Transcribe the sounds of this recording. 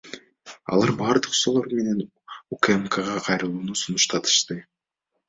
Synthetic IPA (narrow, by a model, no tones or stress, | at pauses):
ɑ̰lˠɑɾbɑːɾd̪ɯqso̞lˠo̞ɾme̞ne̞n | ukemkəʁɑqʰɑjɾɯlˠuːnusunuʃt̪ɑt̪ʰɯ̥ʃt̪ɯ